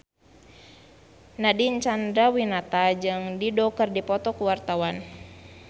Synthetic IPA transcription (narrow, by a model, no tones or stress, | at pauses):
nadiɲt͡ʃandawinat̪ad͡ʒɨŋdidɔkərdipɔt̪ɔkuwart̪awan